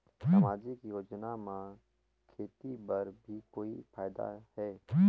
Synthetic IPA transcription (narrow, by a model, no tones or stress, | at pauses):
sɐmaːd͡ʒikijoːd͡ʒnamã | kʰeːt̪ibɐɾbʱikoːifʰaːjd̪a̰hɛː